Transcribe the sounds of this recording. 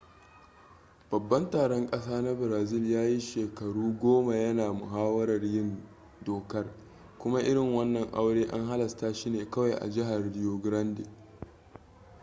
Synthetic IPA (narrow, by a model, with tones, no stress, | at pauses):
b̥ɐ˨bːɐ˦ntaː˨ɽɔ˦ŋkʼɐ˦saː˦na˦bɪ˨ɾaː˨zɪ˦˨ljaː˦ji˦ʃeː˨kɐ˨ɽuː˦ɡʷoː˦ma˨jɐ˦naː˨mʊ˨ɦaː˦wɐ˦ɾɐ˨rjɪ˦n | doː˨kɐ˦r | kʷʊ˦ma˦ʔɪ˦ɽɪ˨ŋwɐ˦nːɐ˨ŋʔa˦wɽeː˦ʔa˦ŋɦa˦lɐ˨sta˦ʃi˦neː˨kɐ˦wa˨jʔa̰˨d͡ʒɪ˦ɦa˨rɽɪ˦joː˦ɡɾɐ˦nde˨